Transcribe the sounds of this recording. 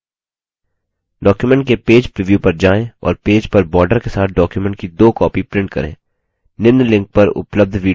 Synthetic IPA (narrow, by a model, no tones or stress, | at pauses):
ɖɔːkjumɛ̃ɳʈ̚kepeːd͡ʒpɾiʋjuːpɐɾd͡ʒaːẽɔ̰ːɾpeːd͡ʒpɐɾbɔːɾɖəɾkesaːt̪̚ʰɖɔːkjumɛ̃ɳʈ̚kid̪oːkɔːpipɾɪ̃ɳʈ̚kɐ̰ɾḛ̃ː | nɪnd̪lɪ̃ŋk̚pɐɾʊ̰pləb̚d̪ʱʋiː